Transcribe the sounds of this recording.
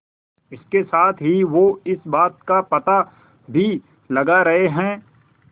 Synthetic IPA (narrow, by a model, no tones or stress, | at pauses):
ɪskesaːt̪ʰɦiʋoɪsbaːt̪̚kapɐt̪a | bʱi | lɐɡaɾɐɦeɦɛ̃ː